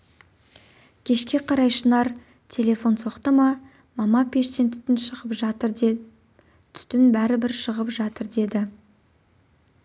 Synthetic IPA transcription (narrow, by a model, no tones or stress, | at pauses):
kʲʰe̞ʃkʲe̞qʰɑɾɑjʃənɑɾ | t̪ʲʰe̞lʲe̞fo̞nso̞qt̪əmɑ | mɑmɑpʰe̞ʃt̪e̞nt̪ʰʏ̥t̪ɪnʃəʁəpʒɑt̪əɾ | t̪ʰʏ̥t̪ɪnbæɾɪbɪɾʃəʁəpʒɑt̪əɾd̪e̞d̪ɪ